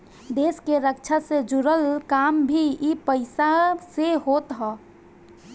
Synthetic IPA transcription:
d̪eːskeɾəkt͡ʃʰased͡ʒʊɾəlkaːmbʱiipəɪsaseɦoːt̪ɦɔː

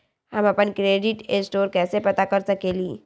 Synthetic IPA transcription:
hɐmɐpənkɾeːɖɪʈesʈoːɾkɛːsepɐt̪akɐɾsɐkeːliː

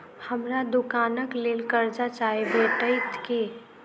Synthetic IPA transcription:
həmɾad̪ʊkaːnəkleːlkəɾd͡ʒat͡ʃaːebeːʈəɪt̪ke

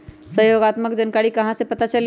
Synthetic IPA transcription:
səɦjoɡat̪məkd͡ʒənkaɾikəɦãsẽpət̪at͡ʃəl

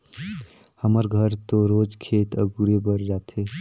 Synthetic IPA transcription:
həməɾɡʱəɾt̪oɾod͡ʒkʰet̪ə̰ɡuɾebəɾd͡ʒat̪ʰe

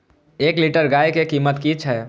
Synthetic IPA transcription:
eːkliːʈəɾɡaːjkekiːmət̪kit͡ʃʰɦɛː

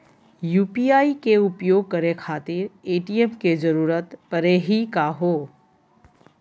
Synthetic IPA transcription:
juːpiaːikeupjoɡ̚kəɾekʰaːt̪iɾeʈiemked͡ʒəɾuːɾət̪pəɾeɦikaɦo

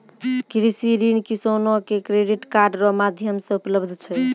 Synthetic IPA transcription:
kɾisiɾinkisonɔkekɾeɖiʈkaɾɖɾɔmad̪ʱjəmsɔ̃upləbd̪ʱt͡ʃʰɛ

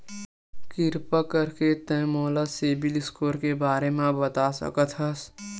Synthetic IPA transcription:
kɪɾpəkəɾket̪ɛ̃ːmoːlaseːbɪlɪskoːɾkebaːɾemẽbət̪asə̰kət̪ʰɦəs

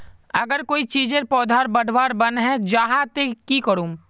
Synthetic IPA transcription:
ɐɡəɾkoːit͡ʃiːd͡ʒeɾpɔːd̪ʱaːɾbɐɽ̤ʱʋaːɾbɐnɦɛ̃d͡ʒaɦãt̪ekikəɾũː

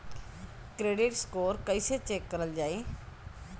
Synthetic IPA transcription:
kɾeːɖɪʈskoːɾkəiset͡ʃeːkːəɾəld͡ʒaːeː

